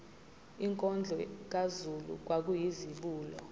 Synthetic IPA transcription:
iŋkʼɔnd͡ɮʱɔk̬azulṵk̬wak̬ujiziɓuːlɔ

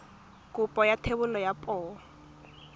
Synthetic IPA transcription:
kʼʊpʼɔjatʰebʊlɔjapʼɔː

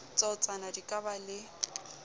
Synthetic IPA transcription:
t͡sʼɔt͡sʼanadikʼabalɪ

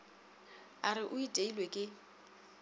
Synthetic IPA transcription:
arɪʔʊitʼeilwekʼɪ

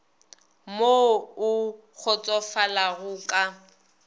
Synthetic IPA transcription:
moʊ | k͡xʰʊt͡sʼɔfalaɣʊːkʼa

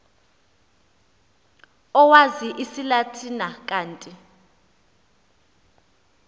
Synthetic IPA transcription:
ɔwaziʔisilatʰinak̬ʼaːntʼi

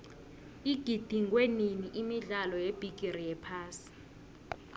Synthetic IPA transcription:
iɡ̥ʱid̥ʱiŋkʼweniniʔimiɮalɔjeb̥ʱiɡ̥ʱʼirijɛpʰaːsi̥

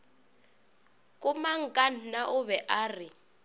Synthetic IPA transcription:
kʼʊmaŋ̩kʼan̩naʔʊβɛʔaːrɪ

